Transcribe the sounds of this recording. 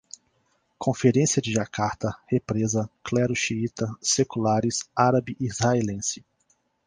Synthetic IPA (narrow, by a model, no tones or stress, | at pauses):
kʰõfeɾẽsiɐd͡ʒɪʒakaɾt̪ɐhepɾezɐklɛɾʊʃiit̪ɐsekulaɾɪsaɾabiʔizhaelẽsɪ̥